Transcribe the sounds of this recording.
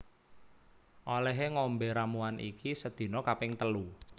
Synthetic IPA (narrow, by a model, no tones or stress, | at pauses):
ʔolɛɦeŋɔmbɛɾamuanʔḭkisəd̪̥i̤nɔkapɪŋt̪əlu